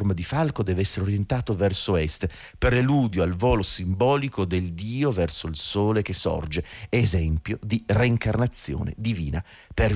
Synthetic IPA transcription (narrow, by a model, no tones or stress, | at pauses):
rmad̪ifalkod̪ɛːveɛsːeɾeoɾjent̪aːt̪ovɛrsoɛst̪ | peɾeluːd̪joalvɔːlosimbɔːlikod̪eld̪iːovɛrsoilsoːlek̟esːɔ̰rd͡ʒeezɛmpjod̪ireiŋkarnat̪sːjo̰ːnḛd̪ivḭːna | per